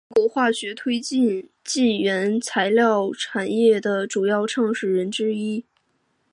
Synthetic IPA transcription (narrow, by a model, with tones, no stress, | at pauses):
kwɔ˧˥xwa˥˩ɕɥɛ˧˥t̪ʰwe˥ɪt͡ɕi˥˧n | t͡ɕi˥˩ɥɛ˧˥nt͡sʰa˧˥ɪljɑ˥˩ʊʈ͡ʂʰa˨˩njɛ˥˩d̪ə˩ʈ͡ʂu˨˩jɑ˥˧ʊʈ͡ʂʰɑ˥˧ŋʂɻ̩˥˩ɻə˧˥nʈ͡ʂɻ̩˥i˥